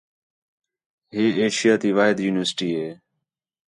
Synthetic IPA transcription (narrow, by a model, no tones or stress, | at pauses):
ɦiːeːʃɪjaːt̪iːʋaːɦɪd̪juːnɪʋəɾsʈiːɦeː